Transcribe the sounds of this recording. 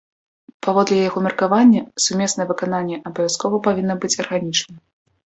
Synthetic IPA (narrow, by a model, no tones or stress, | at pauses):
pavɔd̪lʲɛjaɣɔmʲɛrkavanʲːɐsumʲɛsnɐjɛvɨkananʲːɛʔɐbɐvʲjaskɔvɐpavʲinːɐbɨt͡sʲɐrɣanʲit͡ʂnɐ